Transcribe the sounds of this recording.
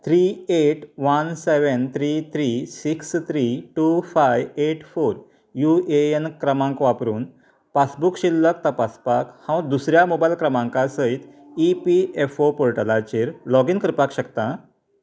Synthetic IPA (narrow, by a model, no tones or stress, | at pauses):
t̪ʰɾieʈʋanseʋənt̪ʰɾit̪ʰɾisikst̪ʰɾiʈufajʋeʈfoɾ | jueenkɾəmãŋkʋapɾuːn | pasbukɕilːəkt̪əpaspakhãw̃d̪usɾjamobajlkɾəmãŋkasəit̪ | ipiefopoɾʈəlat͡ɕiɾlɔɡinkəɾpakɕəkt̪ã